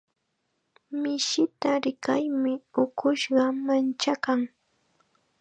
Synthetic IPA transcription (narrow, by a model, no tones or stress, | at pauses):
mɪʃɪt̪aɾɪkajmɪʊkʊʃɢɑmant͡ʃakaŋ